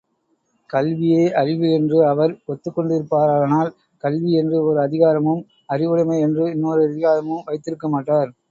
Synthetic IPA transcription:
kɐlʋɪjeːʔɐɾɪʋɯɛndrɯɐʋɐɾpɔt̪ːɯkːɔɳɖɪɾɯpːaːɾaːɐnaːl | kɐlʋiɛndrɯɔɾɯɐðɪɣaːɾɐmɯm | ɐrɪʋɯɽɐmɐɪɛndrɯɪnːoːɾɯɐðɪɣaːɾɐmɯmʋɐɪt̪ːɪɾɯkːɐmaːʈːaːɾ

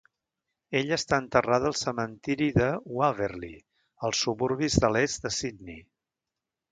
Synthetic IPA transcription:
eʎəst̪aənt̪əraðəlˠsəmənt̪iɾiðəuaveɾlḭ | əlˠsuβuɾβizðəlɛzd̪əsid̪ni

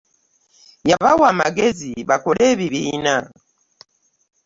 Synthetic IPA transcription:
jaβawama̰ɡeziβakɔlɛβiβina

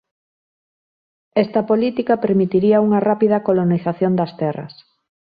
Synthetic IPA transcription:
ɛst̪ɐpolit̪ikɐpeɾmit̪iɾiɐuŋɐrapið̞ɐkoloniθaθjond̪ɐst̪ɛrɐ̰s

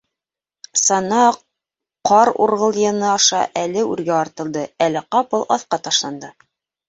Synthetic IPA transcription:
sɑnɑ | qɑɾṵɾʁɤ̆lˠjɤ̆nɤɑʃɑʔælɘʉɾɡæɑɾt̪ɤ̆lˠd̪ɤælæqɑpɤlˠɑ̰θqɑt̪ɑʃlˠɑnd̪ɤ

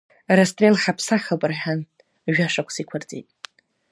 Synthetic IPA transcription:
rastʼrelħapʰsaχabʼɨrħan | ʒᶣaʂakʷʰsikʷʰart͡sʼḛtʼ

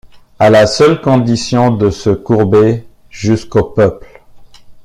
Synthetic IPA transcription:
alasœlkɔ̃d̪isjɔ̃d̪əsəkuʁbe | ʒyskopœpl

